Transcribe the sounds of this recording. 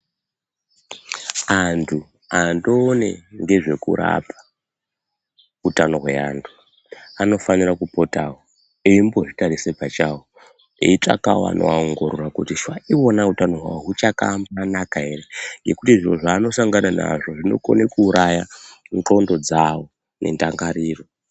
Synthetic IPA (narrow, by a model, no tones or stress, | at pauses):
antʰu | ando̞ːne̞̰ŋɡe̞ʐe̞kṵɾa̰pʰḁ | utano̞ɦwe̞aːntʰu | ano̞fanirakupo̞tawo | eimbo̞ʐitaɾisepat͡ʃawo | ḛit͡ʂa̰ka̰wa̰no̰aoŋɡoɾurakutiʃwaiwonautano̞ɦwa̰woɦut͡ʃaka̰mbanakae̞reŋɡe̞kutiiʐo̞ʐaːno̞saŋɡanana̰ʐo̞ʐino̞̰ko̞̰nekuːɾʔajanko̞ndo̞d͡zawo | ne̞̰ndaŋɡaɾiːro